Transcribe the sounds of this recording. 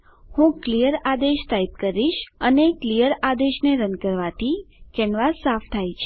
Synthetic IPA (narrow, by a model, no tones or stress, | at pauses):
hũklijəɾad̪eʃt̪aip̚kəɾiʃəneklijəɾad̪eʃneɾənkəɾʋat̪ʰikɛɳʋasaft̪ʰajt͡ʃʰe